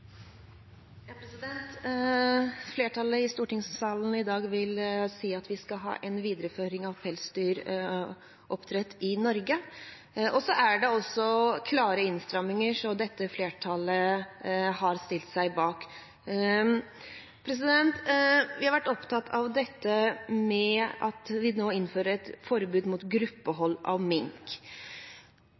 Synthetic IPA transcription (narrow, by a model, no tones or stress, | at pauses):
jɑpʰɾɛsɪd̪ɛnt̪ | fleːʈʰɑləɪst̪uːʈɪŋsɑːln̩ɪd̪ɑːɡʋɪlsiːɑt̪ʋɪskɑɦɑ̰ːʔɛnʋiːd̪əɾəføːɾɪŋɑʋfʰɛlst̪yːɾ | ʔɔpt̪ʰɾɛt̪ːɪnɔɾɡə | ʔɔsɔʔæɖɛɔsːɔkʰlɑːɾəɪnst̪ɾɑmɪŋəʂɔd̪ɛt̪ːəfleːʈʰɑlə | hɑɾst̪ɪlt̪sæɪbɑːk | pʰɾɛs̬ɪd̪ɛnt̪ʋɪhɑɾʋæʈːɔpt̪ʰɑt̪ːʰɑʋd̪ɛt̪ːəmɛʔɑt̪ʋɪnoːɪnføːɾəɾɛt̪fɔɾbʉːd̪muːt̪ɡɾʉpːəɦɔlːɑ̰ʋmɪŋk